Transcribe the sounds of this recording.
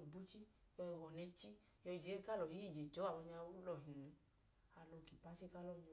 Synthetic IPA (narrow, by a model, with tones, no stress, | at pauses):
bu˦t͡ʃi˦ | jɔ˧wɔ˨nɛ˧t͡ʃi˦ | jɔ˧˨d͡ʒe˨˦˧ka˦˨lɔ˨ji˨˦i˦˨d͡ʒe˨tɔ˨˦a˨wɔ˧ɲa˧o˦lɔ˦˨ɦĩ˨nũ˨˧˦ | a˨lɔ˧˨ki˨pa˨˦si˦ka˦lɔ˦˨ɲɔ˧